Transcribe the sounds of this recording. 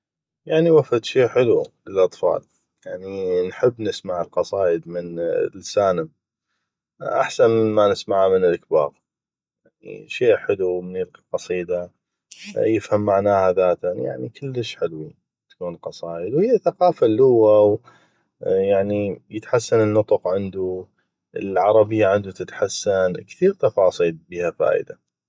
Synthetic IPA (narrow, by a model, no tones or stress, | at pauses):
jaʕniwafad̪ʃiːʔħɪluləlʔɑt̪ˤfɑ̰ːl | jaʕninħɪbːnɪsmaʕəlqɑsˤɑːʔəd̪mɪnlsaːnəm | ʔa̰ħsanmɪmanɪsmaʕamənɪlʔakba̰ːɣ | jaʕnḭʃeːʔħɪlumnɪlqiqɑsˤiːd̪a | jɪfhamːaʕnaːhaðaːt̪aja̰ʕnikʰɪlːəʃħɪlwi | t̪ḁkuːnqɑsˤɑːjəd̪whɪjːaθaqɑːfalːʊwːaw | jaʕnijət̪ħasːanənːʊt̪ˤʊqʕɪnd̪u | əlʕɑɾˤɑbɪjːaʕɪnd̪ut̪ɪt̪ħasːankθiːɾt̪ɑfɑːsˤiːlbiːhafa̰ːʔɪ̰d̪a